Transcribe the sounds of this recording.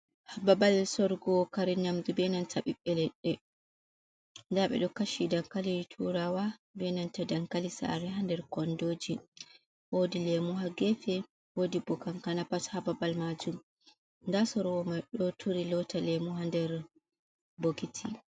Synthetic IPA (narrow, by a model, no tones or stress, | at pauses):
hababalsɔɾɡɔkaɾɛɲamd͡ʒubɛnantʰaɓiɓːɛlɛɗːɛ | ndaɓɛ̰ɗɔkaʃidaŋkalitʰuɾawabɛnantadaŋkalisa̰ɾɛɦandɛɾkɔndod͡ʒi | wodilemuɦaɡefɛ | wodibɔkankanapashababalmad͡ʒum | ndasɔɾwɔmajɗɔtʰuɾilɔtalɛmuɦandɛɾ | boɡitʰi